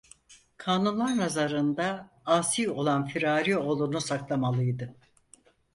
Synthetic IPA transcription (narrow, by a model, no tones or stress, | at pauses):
kʰaːnunlˠaɾnazaɾɯnd̪a | aːsijo̞lˠanfiɾaːɾio̞lˠunusaklˠamalˠɯjd̪ɯ